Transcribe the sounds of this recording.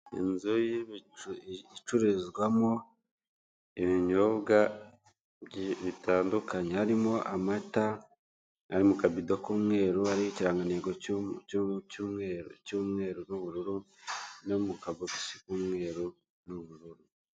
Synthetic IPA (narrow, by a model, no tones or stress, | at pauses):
ḭnzoji | it͡ʃuɾezɡwamo̞ | iβiɲoβɡa | βitʰaːndukaɲehaɾimo̞ʔamata | aɾimukabidokuːmŋe̞ːɾuaɾiiciɾaːŋɡaneːɡo | cuːmŋeɾcuːmŋe̞ːɾonuβuɾuɾu | nomukaβoki̥si̥kuːmŋe̞ːɾu | nuβuɾuɾu